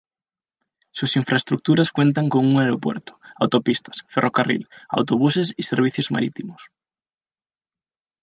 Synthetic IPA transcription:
susiɱfɾaest̪ɾuk̚t̪uɾaskwẽnt̪aŋkoŋuŋaeɾopwḛɾt̪o̥a̰wt̪opist̪ḁsferʔokarḭla̰wt̪oβ̞usesiseɾβ̞iθjozma̰ɾit̪imos

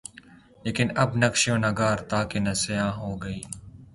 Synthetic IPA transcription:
leːkɪnɐbnɐkʃjõːnɐɡaːɾt̪aːkenɐsɪjãːɦoːɡəiː

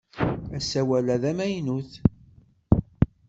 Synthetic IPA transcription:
æsæwælæðæmæjnuθ

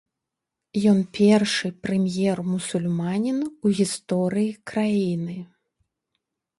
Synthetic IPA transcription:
jɔnpʲɛrʂɨpɾɛmʲjɛrmusulʲmanʲinuɣʲist̪ɔɾɨjikɾajinɨ

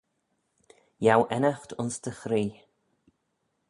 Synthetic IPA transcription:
jawʔɛnaxt̪ʊnst̪ʰəxɾiː

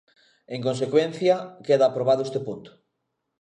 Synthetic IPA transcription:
eŋkons̬ekwen̟θjɐkeðɐːpɾoβaðʊest̪epont̪ʊ̥

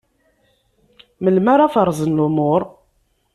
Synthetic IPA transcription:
məlmaɾˤafəɾˤzˤənlʊmʊɾˤ

